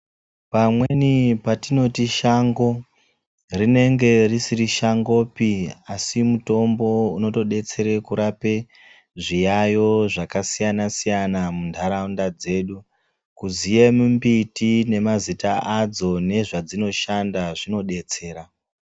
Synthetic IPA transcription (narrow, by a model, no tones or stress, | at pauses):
pamwe̞nipatino̞tiʃaŋɡo̞ | rine̞ŋɡe̞risiriʃaŋɡo̞ːpiasimuto̞mbo̞uno̞to̞ɗe̞t͡se̞ɾe̞kuɾape̞ | ʐijajo̞ʐakasijanasijanamundʱaɾaundad͡ze̞ːɗu | kuzijemumbitine̞mazitaʔad͡zo̞ne̞ʐad͡zino̞ʃandaʐino̞ɗe̞t͡se̞ːɾa